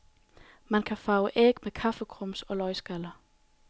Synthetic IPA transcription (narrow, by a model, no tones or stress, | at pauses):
mænkʰæfɑ̈ʊəʔeɡ̥mekʰɑ̈fəkʰʁɔmsɒ̽lɒ̽ɪsɡ̥ælɐ